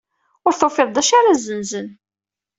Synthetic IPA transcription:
ʊɾθofɪðˤd̪æʃaɾazənzən

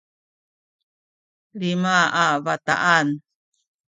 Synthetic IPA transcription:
limaavata̰ʔan

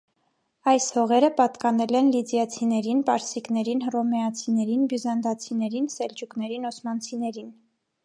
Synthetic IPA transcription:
ɑjshɔʁɛɾəpɑt̪kɑnɛlɛnlid̪jɑt͡sʰinɛɾinpɑɾsiknɛɾinrɔmɛɑt͡sʰinɛɾinbjuzɑnd̪ɑt͡sʰinɛɾinsɛld͡ʒuknɛɾinɔsmɑnt͡sʰinɛɾin

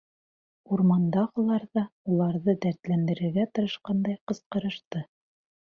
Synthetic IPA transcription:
uɾmɑnd̪ɑʁɤ̆lˠɑɾðɑulˠɑɾðɤd̪æɾt̪lænd̪ɘ̆ɾɘ̆ɾɡæt̪ɤ̆ɾɤ̆ʃqɑnd̪ɑjqɤ̆sqɤ̆ɾɤ̆ʃt̪ɤ

